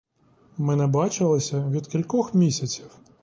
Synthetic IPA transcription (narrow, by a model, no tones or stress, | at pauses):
mɛnɛbɑt͡ʃɪlˠɪsʲɐʋʲid̪kʲilʲkɔxmʲisʲɐt͡sʲiw